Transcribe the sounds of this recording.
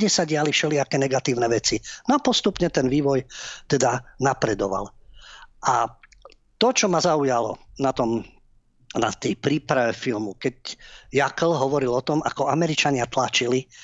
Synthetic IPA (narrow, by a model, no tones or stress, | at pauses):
ɟɛsaɟɪalifʃɛliakɛːɲɛɡat̪iːʊnɛʋɛt͡sinapɔst̪upɲɛt̪ɛnʋiːʋɔjt̪ɛd̪anapɾɛd̪ɔʋa̰l | ʔa | t̪ɔt͡ʃɔmazaujalɔnat̪ɔm | nat̪ɛjpɾiːpɾaʋɛfilmukɛcjakl̩ɦɔʋɔɾilɔt̪ɔma̰kɔamɛɾit͡ʃaɲɪat̪lat͡ʃili